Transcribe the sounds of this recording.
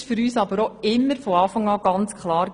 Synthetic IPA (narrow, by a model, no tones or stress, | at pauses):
ʃfʏɾyːsɑbəɾɔɪmːəɾfɔɑːfɑŋɑːɡɑnt͡skχlɑːɾ